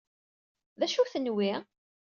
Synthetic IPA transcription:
ðæʃuθənwiʁ

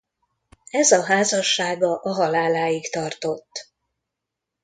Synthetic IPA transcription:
ɛzɒɦaːzɒʃːaːɡɒʔɒɦɒlaːlaːjikt̪ɒrt̪o̞t̪ː

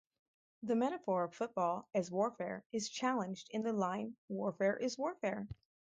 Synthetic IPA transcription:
ðɨmɛɾɨfɔɹʌv̥fʊt̚b̥ɔlˠɨzwɔɹfɛɹɨz̥t͡ʃʰælˠə̃nd͡ʒdɨ̃nðɨlãɪ̃nwɔɹfɛɹʔɪzwɔɹfɛɹ

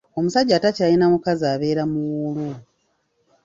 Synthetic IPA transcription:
o̞musaɟːaːtacajinamukazaːβe̞ːɾamulu

